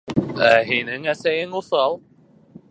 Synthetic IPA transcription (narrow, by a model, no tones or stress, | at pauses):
æɦinɘŋæsæjɘŋuθɑlˠ